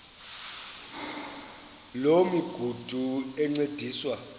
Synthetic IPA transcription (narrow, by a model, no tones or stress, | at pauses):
lomiɡ̥ʱud̥ʱuɛŋ͡ǀed̥ʱiːswa